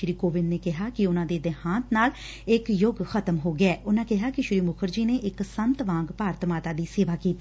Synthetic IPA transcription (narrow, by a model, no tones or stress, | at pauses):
ʃɾiːkoːʋɪnːeːkɪɦaːkɪʊnãːd̪eːd̪ɛhãːnt̪naːl | ɪkjʊɡxət̪əmɦoːɡɪɛːʔʊnãːkɪɦaːkɪʃɾiːmʊkʰəɾd͡ʒiːneːʔɪksənt̪ʋãːŋɡpaːɾt̪maːt̪aːd̪iːseːʋaːkiːt̪i